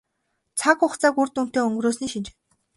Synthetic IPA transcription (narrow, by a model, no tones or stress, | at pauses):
t͡sʰakʊχt͡saːkurt̪un̥t̪eːɵŋɡ̆ɾoːsniːʃint͡ɕ̆